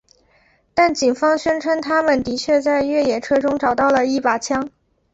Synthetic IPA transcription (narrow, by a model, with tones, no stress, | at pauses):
t̪a˥˩nt͡ɕi˨˩ŋfɑ˥ŋɕɥɛ˥nʈ͡ʂʰə˥nt̪ʰa˥mə˨nt̪i˧˥t͡ɕʰɥɛ˥˧t͡sa˥˧ɪɥɛ˥˩jɛ˨˩ʈ͡ʂʰɤ˥ʈ͡ʂʊ˥ŋʈ͡ʂɑ˨˩ʊt̪ɑ˥˩ʊlə˩i˥˩pa˨˩t͡ɕʰjɑ˥ŋ